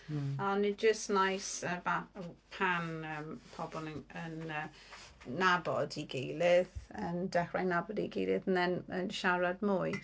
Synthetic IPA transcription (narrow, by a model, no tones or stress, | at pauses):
anid͡ʒəsnajsəbaəpʰanəmpʰɔbɔnəŋənəː | abɔdiɡejlɪðəndɛχɹajnabɔdiɡejlɪðənðɛnənʃaɾadmuːɨ